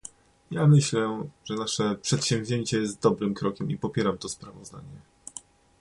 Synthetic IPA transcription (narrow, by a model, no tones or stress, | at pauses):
jamɘɕlɛʐɛnaʂɛpʂɛt̪ɕɛ̃mvʲʑeɲt͡ɕɛjɛst̪̚d̪ɔbɾɘmkɾɔkʲɛmipɔpʲjɛɾamt̪ɔspɾavɔzd̪a̰ɲɛ